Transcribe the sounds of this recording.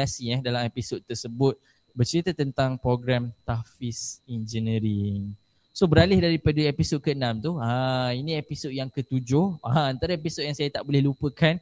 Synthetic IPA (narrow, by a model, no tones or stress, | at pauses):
asiahdalamepisod̪̚t̪ərsəbʊt̪̚ | bərt͡ʃəɾit̪ət̪ənt̪aŋpɾoɡɾamt̪afisind͡ʒənəɾiŋ | sobəɾalɪhdaɾipadəepisod̚kəənãmt̪uhainĩepisod̚jaŋkət̪ud͡ʒʊhaant̪aɾaep̬isot̚jaŋsajat̪aʔbolɛhlupəkan